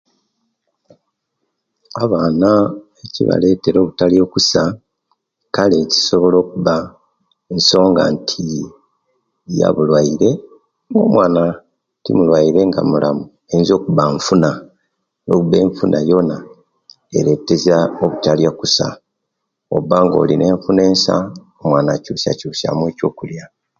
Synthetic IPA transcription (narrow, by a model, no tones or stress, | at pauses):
aβaːnaeciβa̰le̞ːte̞ɾo̞ːβutalijo̞kusa | kale̞ci̥so̞βo̞lo̞ːkuβa | enso̞ːŋɡa̰ntʰi | ja̰βulwaiɾe̞ | ŋo̞ːmwaːna | tḭmulwaiɾe̞ŋɡa̰mulʔamu | e̞nzio̞ːkuβaɱfuna | no̞kuβe̞ːɱfunʔajo̞na | eɾe̞tːe̞zaokutaljakusa̰ | o̰βaːŋɡo̞̰ːline̞ːɱfune̞ːnsa̰omwaːnacuːsa̰cuːsa̰mwe̞ːco̞ːkulja